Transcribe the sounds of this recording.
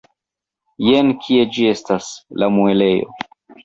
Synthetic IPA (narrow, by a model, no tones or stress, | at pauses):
jenkʲʰie̞d͡ʒie̞staslamuele̞jo̞̰